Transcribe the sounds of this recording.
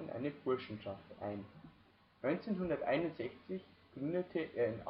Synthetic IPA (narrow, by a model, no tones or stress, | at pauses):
ənʔa̰ɪnəfʊɐʃn̩ʃaftʔa̰ɪn | nɔʏnt͡seːnɦʊndɐtʔa̰ɪnʊntz̥ɛçt͡sɪçɡ̥ʁʏndətʰəʔeːɐɪnʔa